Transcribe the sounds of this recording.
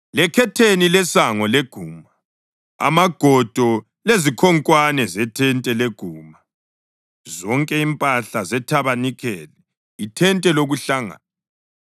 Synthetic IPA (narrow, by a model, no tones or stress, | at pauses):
lɛkʰɛtʰenilɛsaŋɔleɡ̥ʱuːma | a̰maɡ̥ʱɔd̥ʱɔ | lezikʰɔŋkʼwanɛzɛtʰɛntʼɛleɡ̥ʱuːma | zɔŋkʼɛimpʼaɬazɛtʰaβanikʰɛlɛ | itʰɛntʼɛloɣuɬaŋa̰na